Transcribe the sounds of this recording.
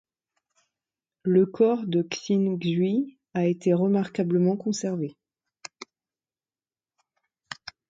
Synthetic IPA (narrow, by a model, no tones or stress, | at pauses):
ləkʰɔʁd̪əksinɡzɥi | aet̪eʁəmaʁkabləmɑ̃kɔ̃sɛʁve